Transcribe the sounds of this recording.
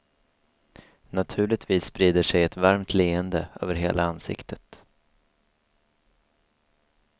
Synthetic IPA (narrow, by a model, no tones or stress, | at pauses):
nat̪ʰʉ̟ːɭɪt̪viːsːpɾiːd̪əʂɛjɛt̪vaɾmt̪ʰleːənd̪əø̰ːvəɾɦḛːlaansɪ̰kt̪ʰət̪